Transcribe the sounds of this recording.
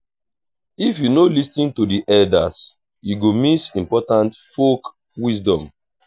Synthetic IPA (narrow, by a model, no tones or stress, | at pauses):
ifjunolistĩntudiʔɛlda̰s | juɡomisĩmpɔtãntfok | wis̬dɔ̃m